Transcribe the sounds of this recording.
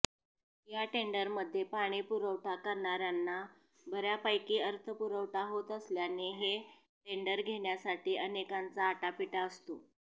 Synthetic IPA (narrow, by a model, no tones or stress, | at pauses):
jaʈeɳɖəɾməd̪ʱːjepaɽ̃iːpuɾəʋʈakəɾɳaɾjanːa | bʱəɾjapəjkiːəɾt̪ʰəpuɾəʋʈʰaɦot̪əsljaneɦe | ʈeɳɖəɾɡʱeɽjasaʈiːʔənekant͡saːʈapiʈaəst̪o